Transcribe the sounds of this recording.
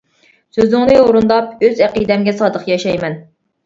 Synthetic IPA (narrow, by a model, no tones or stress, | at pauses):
søzɪŋnɨoɾund̪ɑp̚øzæqid̪ɛmɡʲɛsɑːd̪əχjɑʃɑjmɛn